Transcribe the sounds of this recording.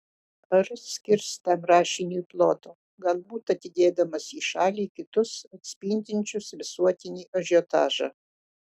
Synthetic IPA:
ɐɾssʲkʲɪɾst̪ɐmɾɑːʃʲɪnʲuiplˠoːt̪oː | ɡɐlˠbuːt̪ɐt̪ʲɪd̪ʲeːd̪ɐmɐsiːʃɑːlʲiːkʲɪt̪ʊsɐt̪ʲsʲpʲiːnʲd̪ʲɪnʲt͡ʃʲʊsʋʲɪsuɔt̪ʲɪnʲiːʔɐʒʲoːt̪ɑ̰ːʒɑ̰

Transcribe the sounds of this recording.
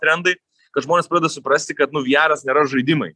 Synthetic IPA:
t̪ʲɾʲɛnd̪ɐɪ | kɐt̪ʒmoːnʲespɾɑdʲɛd̪ɐsʊpɾɐsʲt̪ʲɪkɐt̪nʊʋʲiæːɾɐsnʲeːɾɐʒɐɪd̪ʲɪmɐɪ

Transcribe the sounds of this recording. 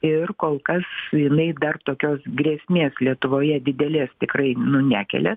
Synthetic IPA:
ɪrkoːlˠkɐsjɪnɐɪd̪ɐrt̪oːkʲoːsɡrʲeːsʲmʲeːslʲiɛt̪ʊʋoːjɛd̪ʲɪd̪ʲɛlʲeːst̪ʲɪkrɐɪnʊnʲæːkʲɛ̰lʲɛ

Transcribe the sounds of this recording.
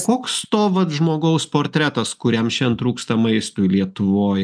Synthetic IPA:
koːkst̪oːʋɐt̪ʒmoːɡɐʊspoːɾʲt̪ʲɾʲæt̪ɐskʊɾʲɛmʃʲɛnt̪ɾuːkst̪ɐmɐɪst̪ʊɪlʲiɛt̪ʊʋoːj

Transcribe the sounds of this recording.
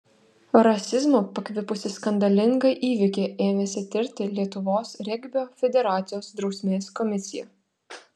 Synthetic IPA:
ɾɐsʲɪzmoːpɐkʲʋʲɪpʊsʲɪskɐnd̪ɐlʲɪŋɡɐɪʔiːʋʲɪkʲeːʔeːʋʲeːsʲɪt̪ʲɪɾʲt̪ʲɪlʲiɛt̪ʊʋoːsɾʲɛɡʲbʲoːfʲɛd̪ʲɛɾɑːt̪sʲɪjoːsd̪ɾɒʊsʲmʲeːskɔmʲɪsʲɪjɛˑ

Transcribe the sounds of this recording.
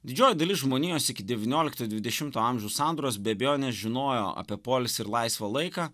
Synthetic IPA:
d̪ʲɪd͡ʒʲoːjɛd̪ɐlʲɪsʒmoːnʲiːjoːsʲɪkʲɪd̪ʲɛʋʲɪnʲoːlʲɪkt̪oːd̪ʲʋʲɪd̪ʲɛʃʲɪmt̪oːɑmʲʒʲɛʊsɑˑnd̪ɾoːsbʲɛbʲɛjoːnʲɛsʒʲɪnoːjoːɐ̰pʲiɛpoːlʲɪsɪɾlˠɐɪsʋɐlˠɐɪkɑː

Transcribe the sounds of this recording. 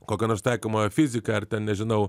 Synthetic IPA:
kokʲɐnoɾst̪ɐjkomɐfʲizʲikɐɐɾt̪ʲɛnnʲɛʒɪnɐw

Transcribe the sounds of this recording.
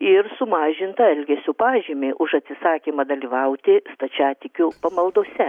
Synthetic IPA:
ɪɾsʊmɑːʒʲɪnt̪ɐɛlʲɡʲɛsʲuːpɑːʒʲiːmʲeːʔʊʃɐt̪ʲsʲɪsɑːkʲiːmɐd̪ɐlʲiːʋɐʊt̪ʲɪst̪ɐt͡ʃʲæːt̪ʲɪkʲupɐmɐlˠd̪oːsʲɛ

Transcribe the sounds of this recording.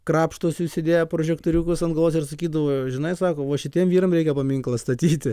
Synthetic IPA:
kɾɑːpʃt̪oːsjuːsʲɪd̪ʲeːjɛpɾoʒʲɛkt̪oːɾʲuːkʊsɐnɡɐlˠoːsʲɪrsɐkʲiːd̪ɐʋoːʒʲɪnɐɪsɑːkoːʋoːʃʲɪtʲiɛmʋʲiːɾɐmɾʲɛɪkʲɛpɐmʲiŋklˠɐst̪ɐt̪ʲiːt̪ʲɪ

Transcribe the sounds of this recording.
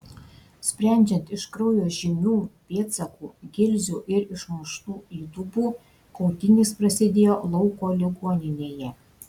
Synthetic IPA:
sʲpʲɾʲæˑnʲd͡ʒʲɛnt̪ɪʃkɾɐʊjoːʒʲɪmʲuːpʲeːt̪sɐkuːɡʲɪlʲzʲuʔɪɾɪʃmʊʃt̪uːlut̪ubuː | kɔʊt̪ʲɪnʲispɾɐsʲɪd̪ʲeːjoːlˠɔʊkoːlʲɪɡoːnʲɪnʲeːjɛ

